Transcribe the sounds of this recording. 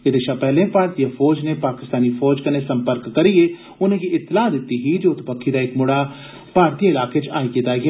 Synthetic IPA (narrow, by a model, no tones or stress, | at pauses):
ɪd̪eːʃaːpɛːlẽːpaːɾt̪ijafʰɔːd͡ʒneːpaːkɪst̪aːniːfʰɔːd͡ʒkəneːsəmpəɾkːəɾijeː | ʊnẽːɡiʔɪt̪ːɪlaːd̪ɪt̪ːiːɦiːd͡ʒoːʊt̪pəkʰːiːd̪aːɪkmʊɽaː | paːɾt̪ijaɪlaːket͡ʃaːikɪt̪aːɡɛ